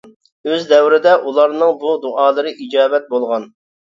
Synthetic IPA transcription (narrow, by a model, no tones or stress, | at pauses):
øzd̪ɛwɾɪd̪ɛʔulˠɑɾnɨŋbud̪uʔɑːlˠɨɾɨʔid͡ʒɑːbɛt̪̚bolˠʁɑn